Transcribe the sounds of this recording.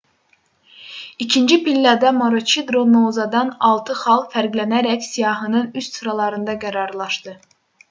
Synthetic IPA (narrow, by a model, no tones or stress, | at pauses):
icʰind͡ʒipilːɑd̪æmoɾot͡ʃʰid̪ɾonozɑd̪ɑnɑlˠt̪ʰɯχɑlˠfæɾɡlænæɾæksijɑːɦɯnɯnyst̪suɾɑlˠɑɾɯnd̪ɑɡæɾɑɾlˠɑʃt̪ɯ